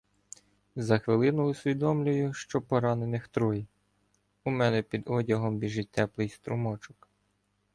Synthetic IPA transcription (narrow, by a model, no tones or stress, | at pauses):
zɐxʋɪlˠɪnʊːsʲʋʲid̪ɔmlʲʊjʊʃt͡ʃɔpɔɾɑnenɪxt̪ɾɔji | umɛnɛpʲid̪ɔdʲɐɦɔmbʲiʒɪt̪ːɛplˠɪjst̪ɾʊmɔt͡ʃɔk